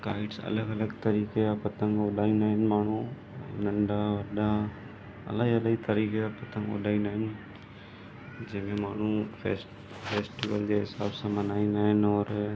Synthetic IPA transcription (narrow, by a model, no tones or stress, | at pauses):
kaːɪɖsɐ̰ləɡɐləɡt̪ɐɾiːkeapɐt̪ə̃ŋɡoːɗaːĩnaːɦɪnmaːɳ̤ũ | nɐ̃ɳɖaʋɐɗa | ɐ̰ləɐləɡit̪ɐɾiːkeapɐt̪ʰə̃ŋɡo̰ɗaːinaɦɪn | d͡ʑɐ̃ɦmẽmaːɳ̤ufes | fʰeːsʈɪʋəld͡ʑeɦɪsaːbsãmɐnaːinaɦɪnɔːɾ